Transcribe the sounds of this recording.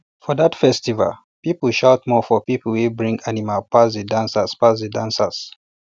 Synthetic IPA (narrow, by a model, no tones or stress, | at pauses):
fɔðatfɛstiva̰l | pipəlʃaʊtmɔfɔpipəl̩wibɹĩŋɡanimalpasdədãnsaspasdədãnsas